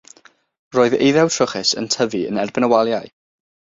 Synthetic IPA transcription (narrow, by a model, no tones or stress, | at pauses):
roːɨðḛjðɛwtʰrʊχɛsə̰ntʰəviə̰nɛrbɪnəwalˠjaj